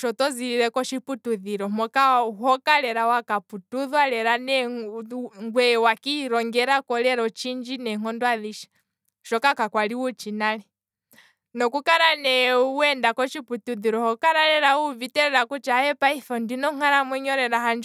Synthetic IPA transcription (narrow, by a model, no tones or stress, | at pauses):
ʃɔtɔziɾiɾɛkɔʃiputuðiɾɔmɔkaɦɔkalɛɾawakaputuðwalɛɾanɛ | ŋɡwɛwakiɾɔŋɡɛɾakɔlɛɾɔt͡ʃind͡ʒinɛŋ̥ɔndwaðiʃḁ | ʃɔkakakwaliwut͡ʃinalɛ | nɔkukaɾanɛuɛndakɔt͡ʃiputuðiɾɔhɔkaɾaɾɛɾauvitɛɾɛɾakut͡ʃaɛpaifɔndinɔŋ̥aɾamwɛɲɔɾɛɾaɦand͡ʒ